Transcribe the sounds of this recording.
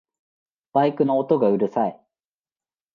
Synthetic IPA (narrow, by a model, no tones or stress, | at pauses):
b̥aikɯ̟noːt̪o̞ɡaɯ̟ɾɯ̟sai